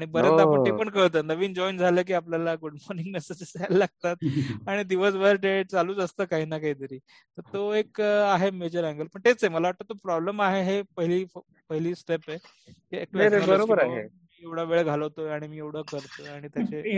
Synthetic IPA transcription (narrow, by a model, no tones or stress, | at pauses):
aɽ̃ibəɾəapəipəɳkəɭt̪ənəʋiːnd͡ʑɔjnd͡zʱaləːk̬iːapljalaɡuɽmɔɾniŋɡnəsət͡ɕesaallaɡ̚t̪at̪̚aɽ̃id̪iʋəsʋəɾʈeʈ̚t͡saluːd͡zast̪əkaɦiːnakaɦiːt̪əɾiː | t̪əɾt̪oekaɦemed͡ʑəɾɛ̃ŋɡəlpəɳt̪et͡seməlaʋaʈ̚t̪ət̪opɾɔbləmaɦeɦepəɦiliː | pəɦiliːsʈepe | k̪iek̚eɾebəɾobəɾaɦḛmiːeʋɽ̤aʋeɭəɡʱaləʋt̪oaɽ̃imiːewɽ̤əkəɾt̪oaɽ̃it̪jat͡ɕe